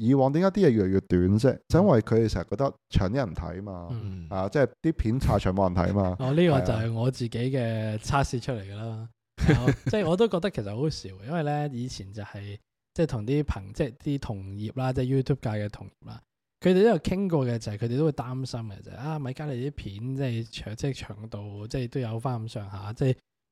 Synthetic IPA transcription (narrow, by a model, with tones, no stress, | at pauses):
jiː˨˧wɔː˨ŋt̪iː˨˥ŋaː˨˥t̪i˥jɛː˧ɥy˨ljyː˨˧t̪yː˨˥nsɛ̰˥t͡sɐ˨˧˦jnwɐ˨jkʰɵ˨˧ɾe˨sɛ˨˩sɐ˨kɔ˧t̪ɐ˥k̚t͡ʃʰœ̰ː˨˩ŋt̪iː˥ɐ˨˩t̪ʰɐ̰˨˥jmaː˧˩hɐ˨ja˧t͡sɛː˥t̪iː˥pʰiː˨˥nt͡sʰaː˧t͡ʃʰœː˨˩moː˨˧jɐ˨˩nt̪ʰɐ̰˨˥jmaː˧ɔː˨˧liː˥kɔː˧t͡sɐ˨wɦɐ˨˩jŋɔː˨˧t͡siː˨ke˨˥jkɛː˧t͡sʰaː˥t̚siː˧t͡ʃʰɵ˥t̚le˨˩jkɐ˧laː˥˨ | ɔ˧t͡sɛː˥˩ŋɔː˨˧t̪o˥wkɔː˧k̚t̪ɐ˥kʰe˨˩sɐ˨t̚ho˨˥wsiː˨˥wɛ˧jɐ˥nwɐ˨˩jlɛː˥jiː˨˧t͡sʰiː˨˩nt͡sɐ˨˩hɐ˨j | t͡sɛː˥˩jt̪ʰʊ˨˩ŋt̪iː˥pʰɐ˨˩ŋt͡sɛ˥˧˩t̪iː˥t̪ʰʊ˨˩ŋjiː˨p̚laː˥t͡sɛː˥˧juː˥t̪ʰuː˥p̚kaː˧kɛː˧t̪ʰʊ˨˩ŋjḭː˨˩p̚la̰ː˥ | kʰɵ˨˧te˨t̪o˥jɐ˨˩wkʰɪ˥ŋkɔː˧kɛ˧t͡shkʰɵ˨˧de˨jt̪o˥wu˨˧jt̪aː˥msɐ˥mɡɛ̰˧t͡sɐ̰˨˧˨hʔaː˧mɐ˨˧jkaː˥le˨˧˩t̪iː˥pʰiː˨˥nt͡sɛː˥˨t͡ʃʰœː˨˩t͡sɛː˥˩t͡ʃʰœ̰ː˨˩ŋt̪o˨wt͡sɛ˥˧t̪o˥wjɐ˨˧wfaː˥˩m˧˨˩sœː˨˧ŋɦaː˨˧t͡sɛː˥˩j